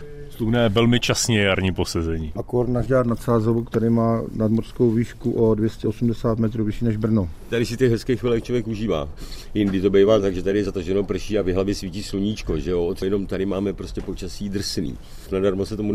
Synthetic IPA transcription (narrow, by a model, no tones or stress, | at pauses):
slunɛːvɛlmɪt͡ʃasɲɛjaɾɲiːpo̞sɛzɛɲiːʔakoɾt̪naʒdaːt̪nat̪saːzovukt̪ɛɾɪmaːnadmoɾskowviːʃkuʔodvjɛscɛʔosumdɛsaːt̪mɛt̪ɾuːvɪʃiːnɛʒbr̩not̪adɪsɪt̪ɛxɦɛskɛxviːlɛkt͡ʃovjɛkuʒiːva̰ː | jɪndɪt̪o̞bɛjvaːt̪aɡʒɛt̪adɪjɛzat̪aʒɛnopr̩ʃiːavɪɦlavjɛsviːciːsluɲiːt͡ʃkoʒɛjoot̪sjɛnomt̪aɾɪmaːmɛpɾoscɛpo̞t͡ʃasiːdr̩snḭː | nadaɾmosɛt̪omu